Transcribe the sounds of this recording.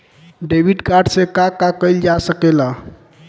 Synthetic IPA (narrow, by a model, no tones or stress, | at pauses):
ɖebʱiɖkaɾɖsekakakəjld͡ʒasəkela